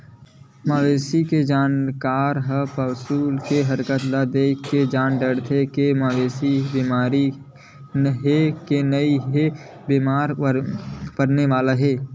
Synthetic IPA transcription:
maːʋeːsiked͡ʒaːnkaːɾɦəpəʋsuːlkeɦəɾkət̪lad̪eːkked͡ʒaːnɖəɽt̪ʰekemaːʋeːsibiːmaːɾi | nɦekenəiɦe | biːmaːɾ | pəɾneʋaːlaɦeː

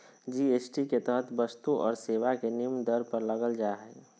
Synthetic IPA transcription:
d͡ʒiesʈiket̪əɦət̪bəst̪uʔɔ̰ːɾseʋakenimd̪əɾpəɾləɡəld͡ʒaɦɛ

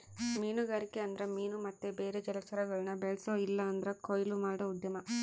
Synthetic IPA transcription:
miːnuɡaːɾikːeɐnd̪ɐɾemiːnumɐt̪ːebeːɾed͡ʒɛlɐt͡ʃɐɾɐɡɐɭɐnɐbeɭsoːilːɐːnd̪ɐɾekojlumaːɽɐud̪jɐmɐ

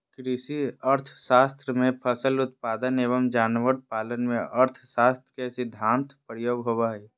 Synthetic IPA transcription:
kɾiʃiəɾt̪ʰʃaːst̪ɾəmẽpʰəsəlʊt̪̚paːd̪əneːβəmd͡ʒaːnʋəɾpaːlənmẽəɾt̪ʰʃaːst̪ɾəkesɪd̪ʱːãːnt̪ʰpɾjoːɡɦobaːi

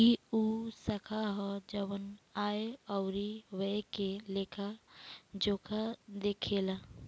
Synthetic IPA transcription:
iusəkʰaɦɔd͡ʒəwənaːeɔʊɾiweekelekʰa | d͡ʒoːkʰad̪ekʰela

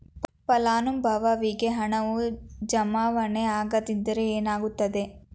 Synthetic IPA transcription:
pɐlaːnumbʱɐʋɐʋiɡeɦɐɳɐʋud͡ʒɐmaːʋɐneaːɡɐd̪id̪ɐɾeeːnaːɡut̪ːɐd̪e

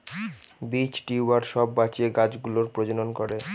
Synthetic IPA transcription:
bit͡ɕʈiuaɾʃɔbːat͡ɕeɡad͡ʑɡuloɾpɾod͡ʑononkoɾe

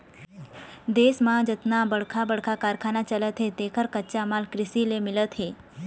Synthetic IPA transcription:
d̪eːsmãd͡ʒət̪nabəɽ̤kʰabəɽ̤kʰakaɾkʰaːnat͡ʃələt̪ɦet̪eːkʰəɾkətːt͡ʃamalkɾɪsilemɪlət̪ɦeː

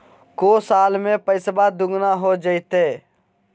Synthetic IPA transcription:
koːsaːlmẽpəɪsbad̪ʊɡnaɦod͡ʒəɪt̪eː

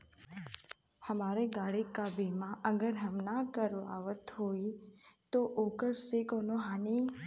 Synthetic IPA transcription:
həmaɾeɡaɽikabimãʔəɡəɾɦəmnakəɾoa̰ʋət̪ɦoit̪oʔokəɾsekonoɦani

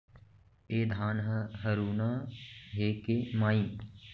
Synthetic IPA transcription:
eːd̪ʱaːnɦɐɦɐɾuːnaːɦeːkeːmaːi

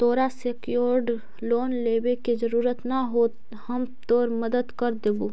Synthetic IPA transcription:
t̪oːɾasekjoɾɖ | loːnleːbeked͡ʒəɾuːɾət̪naɦoːt̪ | həmt̪oːɾməd̪əd̪kəɾd̪eːbu

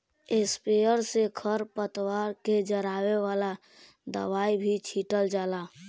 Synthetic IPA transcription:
espejəɾsekʰəɾpət̪waɾked͡ʒəɾaweʋala | d̪ə̰ʋaibʱit͡ʃʰiʈəld͡ʒaːla

